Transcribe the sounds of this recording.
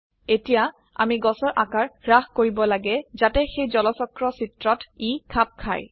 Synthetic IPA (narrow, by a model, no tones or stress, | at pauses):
etija | a̰miɡɔsɔɹʔakaɹɡɹaxkoɹibɔlaɡɛzatɛxejzɔlɔsɔkɹɔsitɹɔtikʰap̚kʰa̰j